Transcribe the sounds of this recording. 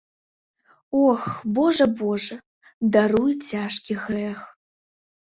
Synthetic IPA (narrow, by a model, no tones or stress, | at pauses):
oxboʐɐboʐɐ | d̪aɾujt͡sʲaʂkʲiɣrɛx